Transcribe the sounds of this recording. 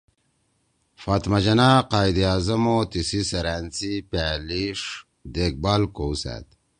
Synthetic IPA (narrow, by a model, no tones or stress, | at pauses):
faːt̪mad͡ʑɐnaqaːjd̪iaːzɐmot̪isisɐɾaːnt͡sipaːliʂ | d̪eːk̚baːlkowsa̰t̪